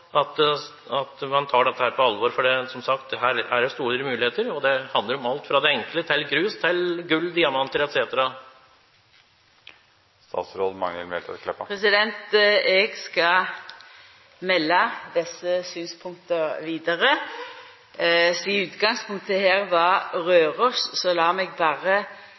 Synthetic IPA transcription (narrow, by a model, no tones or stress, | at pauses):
ɑt̪ | ɑt̪mɑnt̪ʰɑːɖɛt̪ːəhæːɾpʰɔɑlʋɔɾfɔɖɛsɔmsɑkt̪ɦæːɾæɖɛst̪uːɾɾəmʉːlɪheːt̪əɾɔd̪ɛhɑnd̪ləɾɔmɑlt̪fɾɑd̪ɛɛŋklət̪ʰɪlɡɾʉːst̪ʰɪlɡʉlːd̪ɪːɑmɑnt̪əlɛt̪seːt̪əɾɑ | st̪ɑ̰ːt̪sɾɔlmɑ̰ŋɛ̰lmɛ̰lt̪ʰə̰kʰlɛpːəpɾɛsɪd̪ɛnt̪ɛɡskɑ | mɛlːɑd̪ɪsːəsyːnspʰʊŋk̚t̪əʋiːd̪əʁə | siʉːt̪ɡɑŋspʰʊŋk̚t̪əheːʁʋɑʁøːʁɔssɔlɑːmɛɡbɑːʁə